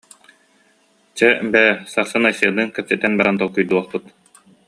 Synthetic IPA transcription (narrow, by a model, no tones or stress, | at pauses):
t͡ɕɛbɛsaɾsɯnajsɯɐnɯŋkɛp̚sɛt̪ːɛnbaɾant̪ɔlˠkujd̪uɔχpɯt̪